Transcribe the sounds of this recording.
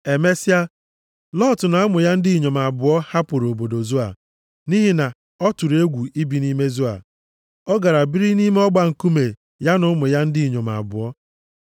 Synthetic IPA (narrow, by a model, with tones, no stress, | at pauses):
e˨me˦si˦a˦ | lɔ˦˨tʊ˨na˨a˦mʊ˨ja˦n̩˦dɪ˦i˨ɲo˨m˨a˨bʊ˨ɔ˦ha˦pʊ˨ɾo˨bo˨do˨zu˦a̰˨ | ni˦ɦi˦na˨ | ɔ˦tʊ˨ɾe˦ɡʷu˨i˦bi˨ni˦me˦zu˦a̰˨ | ɔ˦ɡa˨ɾa˨bi˦ɾi˦ni˦me˦ɔ˦ɡ͡ba˨ŋ̩˨ku˦me˨ | ja˦nʊ˨˦mʊ˨ja˦n̩˦dɪ˦i˨ɲo˨ma̰˨bʊ̰˨ɔ˦